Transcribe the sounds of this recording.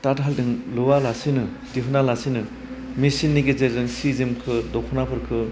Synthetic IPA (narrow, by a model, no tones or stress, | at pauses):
tatɦaldɯŋlɯwalasinɯ | dipʰɯnalasinɯ | misinːiɡezeɾzɯŋsizimkʰɯdɔkʰɯnapʰɯɾkʰɯ